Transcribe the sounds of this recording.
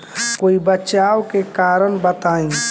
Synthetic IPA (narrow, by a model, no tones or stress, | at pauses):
koːibəːt͡ʃaokekaɾənbət̪aːĩ